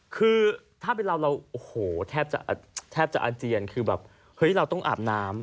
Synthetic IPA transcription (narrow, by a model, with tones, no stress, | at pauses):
kʰɯː˧t̪ʰaː˥˩pe˧nɾa˧wɾa˧wʔo˨˩hoː˩˦t̪ʰɛː˥˩p̚t͡ɕa̰˨˩ʔa˨˧˩t̪ʰɛː˥˩p̚t͡ɕa̰˨˩ʔa˧t͡ɕi˧ənkʰɯː˧bɛː˨˩p̚ | hɤ˦˥jɾa˧wt̪ɔ˥˩ŋʔa̰ː˨˩p̚naː˦˥m